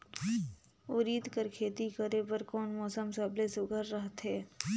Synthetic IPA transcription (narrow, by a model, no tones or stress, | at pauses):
ʊɾiːd̪kəɾkʰeːt̪ikəɾepəɾkɔːnmɔːsəmsaːblesʊɡʱəɾːəɦt̪ɦɛː